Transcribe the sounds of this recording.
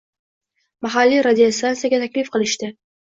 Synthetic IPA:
maɦalːiɾad̪ʲijost̪ansijaɡʲat̪ʰakʲlɪfqɨlɪʃt̪ɪ

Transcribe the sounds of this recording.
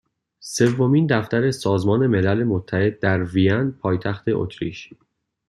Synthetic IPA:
se̞vːo̞miːnd̪æft̪æɾe̞sɒːzmɒːne̞me̞lælemot̪ʰːæhe̞d̪̚ːæɾvijænpʰɒːjt̪ʰæxt̪ʰe̞ʔo̰t̪ʰɾḭʃ

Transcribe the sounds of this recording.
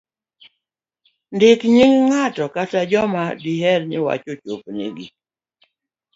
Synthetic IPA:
ndɪkɲiŋŋatɔkatad͡ʒɔmadiɦɛɾɲɪwa̰t͡ʃot͡ʃopnḭɡi

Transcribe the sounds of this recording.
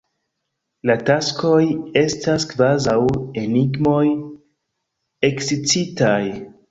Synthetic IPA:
latasko̞je̞staskvazawe̞niɡmo̞j | e̞ksit͡sitaj

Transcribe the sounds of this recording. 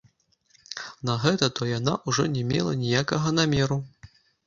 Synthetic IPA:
nɐɣɛt̪ɐt̪ɔjanaʔuʐɔnʲɛmʲɛ̰lˠɐnʲijakɐɣɐnamʲɛɾu

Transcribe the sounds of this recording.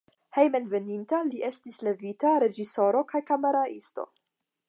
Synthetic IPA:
he̞jmenve̞nintaliʔe̞stisle̞vitaɾe̞d͡ʒiso̞ɾo̞kajkame̞ɾaʔḭsto̞̰

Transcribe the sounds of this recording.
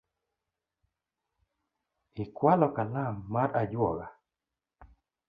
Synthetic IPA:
ɪkwalɔkalamːaɾʔad͡ʒwɔɡa

